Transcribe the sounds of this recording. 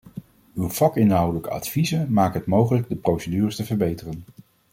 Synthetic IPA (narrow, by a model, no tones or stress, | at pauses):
ywvɑkɪnɦɑwdələkəɑ̰tfizəmaːkəɦətmowχələɡ̚dəprowsədyːrəstəvəɹbejtərən